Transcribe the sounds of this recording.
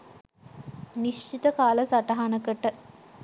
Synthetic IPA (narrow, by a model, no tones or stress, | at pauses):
niʃt͡ʃit̪əkaːləsaʈaɦanəkəʈə